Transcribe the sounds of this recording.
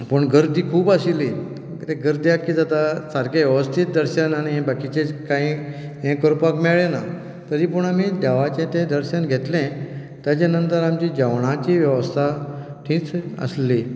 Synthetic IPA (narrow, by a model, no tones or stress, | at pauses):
pəɳɡʱəɾd̪iːkʰuːbasili | t̪ẽɡəɾd̪ijakːiːd͡zat̪asaɾkaʋjəʋəst̪ʰit̪̚d̪əɾɕənaɽ̃iɦẽbakit͡ɕet͡skaɦĩ | ɦẽkəɾpakmɛɭena | t̪əɾiːpəɳamid̪aʋat͡ɕẽt̪ẽd̪əɾɕənɡʱet̪lẽ | t̪jat͡ɕanənt̪əɾamt͡ɕid͡ʑaʋɳ̃ãt͡ɕiːʋjəʋəst̪ʰaʈʰĩːt͡sə̰sli